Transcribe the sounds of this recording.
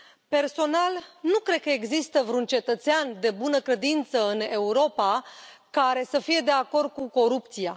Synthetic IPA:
pe̞rso̞nalnukɾe̞d̪̚kəeɡzist̪əvɾunt͡ʃe̞t̪ət̪seand̪e̞bunəkɾe̞d̪int̪səɨne̞uɾo̞pakaɾe̞səfije̞d̪e̞ako̞rd̪̚kuko̞ɾup̚t̪sia

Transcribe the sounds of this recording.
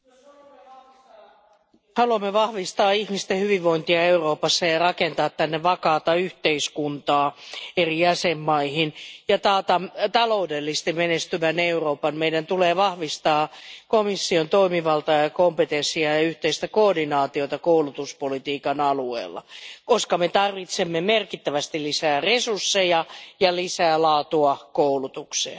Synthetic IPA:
hɑluɑmːeʋɑhʋist̪ɑːihmist̪ehyʋiʋʋoint̪iɑeuroːpɑsːɑjɑrɑkent̪ɑːt̪tænːeʋɑkɑːt̪ɑyht̪eiskunt̪ɑːerijæsemːɑihinjɑt̪ɑːt̪ɑt̪ɑloudelːist̪imenest̪yʋæneuro̞ːpɑnmeidænt̪uleːʋɑhʋist̪ɑːkomisːiont̪oimiʋɑlt̪ɑjɑkompet̪ensˑiɑjɑyht̪eist̪ækoːdinɑːt̪iot̪ɑkoulut̪uspolit̪iːkɑnɑluḛːlːɑ̰koskɑmet̪ɑrʋit̪semːemerkit̪ːæʋæst̪ilisæːresursːejɑjɑlisæːlɑːt̪uɑkoulut̪ukseɑ

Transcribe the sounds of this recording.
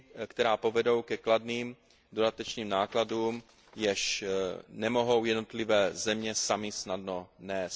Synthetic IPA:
kt̪ɛɾaːpo̞vɛdo̞wkɛkladniːm | do̞dat̪ɛt͡ʃniːmnaːkladuːm | jɛʃ | nɛmo̞ɦo̞wjɛdnot̪lɪvɛːzɛmɲɛsamɪsnadno̞nɛːs

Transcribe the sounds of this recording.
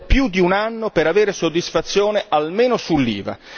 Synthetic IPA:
pjud̪iunanːopeɾaveːɾesod̪ːisfat̪sːjoːnealmeːnosulːḭːva̰

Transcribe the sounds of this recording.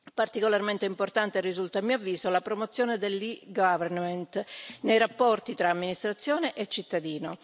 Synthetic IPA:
part̪ikolarment̪eimport̪ant̪erizult̪amːioavːiːzolapɾomot̪sːjoːned̪elːiɡavernmɛnt̪nejrapːɔrt̪it̪ɾaːmːinist̪ɾat̪sːjoːneʔet͡ʃːit̪ːad̪iːno

